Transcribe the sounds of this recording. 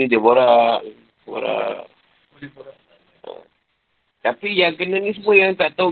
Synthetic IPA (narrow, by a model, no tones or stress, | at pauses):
idiəboɾa | bo̰ɾa̰ | ə̰ | t̪apijaŋkənanĩs̬əmuəjaŋt̪aʔt̪a